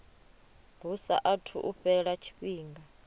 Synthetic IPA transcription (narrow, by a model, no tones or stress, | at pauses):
lusa̰ʔatʰṵʔuɸɛɺat͡ʃʰi̥ɓiːŋɡa